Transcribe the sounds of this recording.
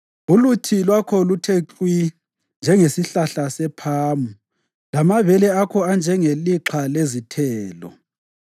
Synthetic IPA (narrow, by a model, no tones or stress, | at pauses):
ulutʰilwakʰɔlutʰeǁwi | nd͡ʒʱɛŋesiɬaɬasɛpʰaːmu | lamaβɛlɛakʰɔand͡ʒʱɛŋeliǁʰalezitʰɛːlɔ̰